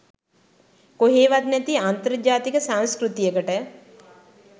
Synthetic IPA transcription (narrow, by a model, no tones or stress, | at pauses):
koɦeːʋat̪nɛt̪iant̪əɾd͡ʒaːt̪ikəsanskɾut̪ijəkəʈə